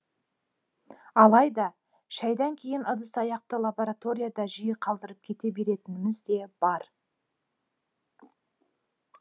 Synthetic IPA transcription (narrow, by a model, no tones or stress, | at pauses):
ɑlˠɑjd̪ɑ | ʃæjd̪ɑŋkʲʰe̞jɪnəd̪əsɑjɑq̚t̪əlˠabo̞ɾat̪o̞ɾʲijad̪ɑʒijəqʰɑlˠd̪əɾəp̚kʲʰe̞t̪e̞be̞ɾe̞t̪ɪnɪmɪzd̪e̞b̥ɑɾ